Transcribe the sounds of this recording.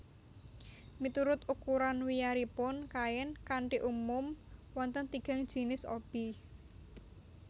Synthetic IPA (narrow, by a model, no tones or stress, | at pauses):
mit̪uɾʊt̪ukuɾanwijaɾipʊnkaɪnkaɳʈiʔumʊmwɔnt̪ənt̪iɡ̥a̤ŋd̥ʒ̥i̤nɪso̰b̥i